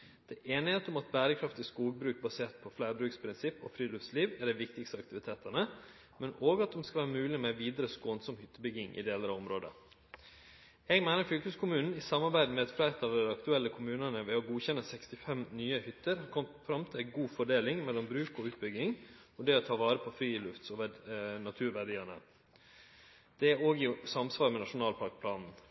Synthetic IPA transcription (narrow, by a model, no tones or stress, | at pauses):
d̪̥ɛʔeːnɪheːt̪əʊmɑt̪̚bæːɾəkʰɾɑft̪ɪskuːɡ̚bɾʉːk̚bɑseːt̪̚pʰɔflæɪɾbɾʉːkspʰɾɪnsɪpːɔ̰fɾiːlʏfsliːʋæɖɛɪʋɪkt̪ɪkst̪əɑkt̪ɪʋɪt̪ʰeːt̪ənə | mɛnoːɡɑt̪̚d̪ɔmskɑlʋæːɾəmʉːlɪmɛʋiːd̪əɾəskoːnsɔmhʏt̪ːəbʏɡɪŋʔɪ̰d̪eːləɾɑɔmɾoːd̪ə̰ | ɛɡmæɪnəɾfʏlkʉskʰʊmʉːnn̩ɪsɑmɑɾbæɪd̪mɛɛt̪fɾæɪt̪ɑʋd̪ɛɑkt̪ʉɛlːəkʰʊmʉːnənəʋɛɔɡuːçɛnəsɛkst̪ɪfɛmnyːəhʏt̪ːəɾhɑɾkʰɔmt̪fɾɑmt̪ʰɪlæɡuːfɔɖeːlɪŋmɛlːɔmbɾʉːkɔʉːt̪̚bʏɡɪŋɔd̪ɛːɔt̪ʰɑːʋɑːɾəpʰɔflyːɪlʉft̪sɔʋænɑt̪ʰʉːɾʋæɖiːɑnə̰ | d̪̥ɛæoːɡɪsɑmsʋɑːɾmɛnɑʂʊnɑːlpʰɑɾk̚pʰlɑːnn̩